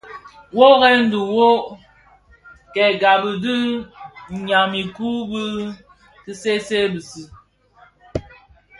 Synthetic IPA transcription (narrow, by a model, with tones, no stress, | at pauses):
wo˦ɣɛ˦n̩˦du˨wo˦ | kɛ˨ɡa˨bə˨dɨ˦˨ | ɲa˨mi˨ku˦bɨ˦ | kɨ˦se˦se˦bɨ˨sɨ˦